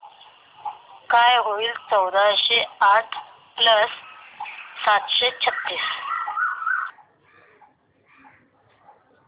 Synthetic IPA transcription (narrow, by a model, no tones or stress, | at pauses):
kajɦoilt͡səwd̪aɕeaʈʰ | pləsː | at̪ɕet͡ɕʰət̪ːiːs